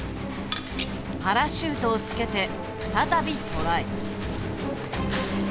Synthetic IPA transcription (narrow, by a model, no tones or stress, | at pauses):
haɾaɕɨːt̪o̞ːt͡sɨ̥ke̞t̪e̞ | ɸɯ̟̥t̪at̪abʲikoɾai